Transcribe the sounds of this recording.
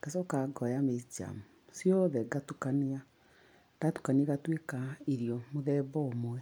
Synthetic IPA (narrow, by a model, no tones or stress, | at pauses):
kasɔkaɡɔjamesd͡ʒa̰mu | sjɔðɛɡatukanea | tatu̥kaneɣatwekaeɾjɔmoðɛbɔomwɛ